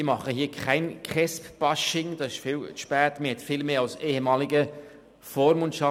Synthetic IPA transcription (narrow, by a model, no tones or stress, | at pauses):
ɪmɑχəɦiːkʰaɪnkχɛspb̥ɑʃɪŋd̥ɑsɪʃfɪːlt͡sʃpæːtməhɛtfɪlmeːɑʊseːhɛmɑːlɪɡə | foːɾmʊntʃɑ